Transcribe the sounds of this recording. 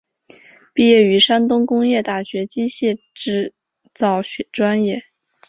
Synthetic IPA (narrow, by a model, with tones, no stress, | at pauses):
pi˥˧jɛ˥˩y˧˥ʂa˥nt̪ʊ˥ŋkʊ˥ŋjɛ˥˧t̪a˥˩ɕɥɛ˧˥t͡ɕi˥ɕjɛ˥˧ | ʈ͡ʂɻ̩˥˧ | t͡sɑ˥˩ʊɕʈ͡ʂwa˥njɛ˥˩